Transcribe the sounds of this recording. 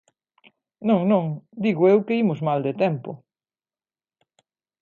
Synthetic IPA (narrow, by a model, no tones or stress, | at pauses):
nõŋnõŋd̪iɣʊewkɪimʊzmald̪et̪ɛmpʊ